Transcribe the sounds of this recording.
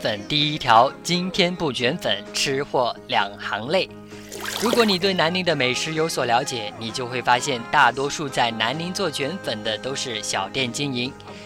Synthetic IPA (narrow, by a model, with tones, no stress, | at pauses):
fə˨˩nt̪i˥˩i˥t̪ʰjɑ˧˥ʊt͡ɕi˥nt̪ʰjɛ˥npu˥˩t͡ɕɥɛ˧˥nfə˨˩˦nʈ͡ʂʰɻ̩˥xwɔ˥˩ljɑ˨˩ŋxɑ˧˥ŋle˥˩ɪ | ɻu˧˥kwɔ˧˥ni˨˩t̪we˥˩ɪna˧˥nli˧˥ŋd̪ə˧me˨˩ɪʂɻ̩˧˥jo˧˥ʊswɔ˨˩ljɑ˧˥ʊt͡ɕjɛ˨˩˦ni˨˩t͡ɕjo˥˧ʊxwe˥˩ɪfa˥ɕjɛ˥˧nt̪a˥˩t̪wɔ˥ʂu˥˧t͡sa˥˩ɪna˧˥nli˧˥ŋt͡swɔ˥˩t͡ɕʰɥɛ˧˥nfə˨˩nd̪ə˦t̪o˥ʊʂɻ̩˥˩ɕjɑ˨˩ʊt̪jɛ˥˩nt͡ɕi˥ŋi˧˥ŋ